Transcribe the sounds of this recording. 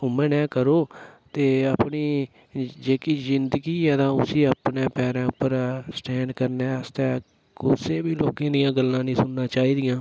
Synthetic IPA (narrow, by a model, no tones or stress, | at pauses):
ʊmɛ̃ːnɛ̃ːkəɾoːt̪eːəpniː | d͡ʒeːkiːzɪnd̪əɡiːɛːt̪ãːʊsiːəpnẽːpɛːɾɛ̃ːʊpːəɾsʈɛ̃ːɳɖkəɾneːəst̪ɛː | kʊseːbiːloːkẽːd̪ɪjãːɡəlːãːnĩːsʊnnãːt͡ʃaːiːd̪ɪjãː